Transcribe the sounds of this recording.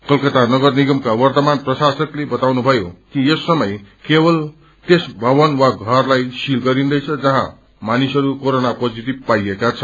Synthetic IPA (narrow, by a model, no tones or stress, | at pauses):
kʌlkʌt̪anʌɡʌrniɡʌmkawʌrt̪ʌmanprʌsasʌklebʌt̪awnubʱʌjokijʌsːʌmʌjkebʌl | t̪esbʱʌbʌnwaɡʱʌrlajsilɡʌɾind̪ʌjt͡sʰʌd͡zʌɦã | manisɦʌɾukoɾonapod͡zit̪ib̚paiekat͡sʰʌ